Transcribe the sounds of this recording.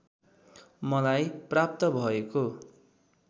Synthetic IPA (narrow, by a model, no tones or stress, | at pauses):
mʌlajprap̚t̪ʌbʱʌeko